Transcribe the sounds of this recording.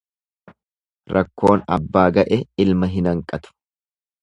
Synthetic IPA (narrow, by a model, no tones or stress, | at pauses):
ɾɐkːo̞ːnɐ̰bːaːɡɐʔɛɪlmɐɦɪnɐŋkʼːɐt̪ʊ̥